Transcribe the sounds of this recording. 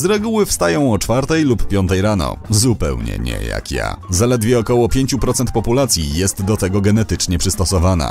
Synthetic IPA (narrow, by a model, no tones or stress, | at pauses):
zɾɛɡuwɘfst̪ajɔ̃w̃ɔt͡ʂfaɾt̪ɛjlupːʲjɔnt̪ɛjɾanɔ̰zupɛ̰wɲɛ̰ɲɛ̰ja̰kja̰zalɛd̪vʲjɛɔkɔwɔpʲjeɲt͡ɕupɾɔt̪sɛnt̪̚pɔpulat̪sʲjijɛst̪d̪ɔt̪ɛɡɔɡɛnɛt̪ɘt͡ʂɲɛpʂɘst̪ɔsɔvana̰